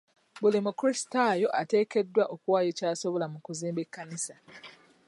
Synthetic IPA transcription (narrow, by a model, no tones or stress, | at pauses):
bulimukɾistajo̞ʔate̞ːkedːwaʔo̞kuwaːjocaːso̞βo̞lamukuziːmbe̞kːanisa